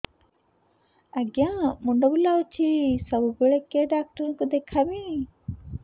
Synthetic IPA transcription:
aɐɡjãmuɳɖobulaut͡ʃʰisəbubeɭekeɖaːk̚ʈəɾkud̪ekʰabĩ

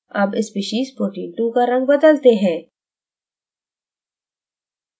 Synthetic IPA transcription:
ɐbɪspɪʃiːzpɾoːʈĩːɳʈũkaɾɐ̃ŋɡ̚bɐd̪əlt̪eɦɛ̃ː

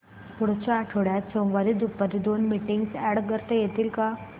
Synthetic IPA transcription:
pʊɽt͡ʃaʈʰoːɽasõʋaɾid̪upːəɾid̪oːnmiʈiŋɡsɛːɽk̬əɾt̪ejet̪ilka

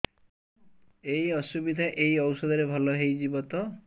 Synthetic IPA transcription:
ejɔsubid̪ʱaʔejɔwsɔd̪ɔɾebʱɔlɔɦejd͡ʒibɔt̪ɔ

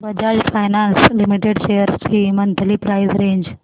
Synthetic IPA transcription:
bɐd͡ʑaːd͡ʒfʰaːɪnaːnslɪmiʈeɖʃejəɾt͡ɕʰiːmɐnt̪ʰəlipɾaːɪzɾẽːɲd͡ʑ

